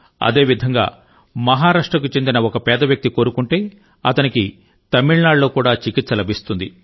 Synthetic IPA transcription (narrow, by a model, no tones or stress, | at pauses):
ɐ̰d̪e̞ːʋid̪ʱɐŋɡa̰ː | mɐɦaːɾaːʂʈɾɐk̬ut͡ʃe̞nd̪inɐɔkɐpɛːd̪ɐʋjɐk̚t̪iko̞ːɾukuɳʈe̞ː | ɐt̪ɐniki | t̪ɐmiɭnaːɽːo̞ːkuːɽaːt͡ʃikit̪sɐlɐbʱist̪und̪i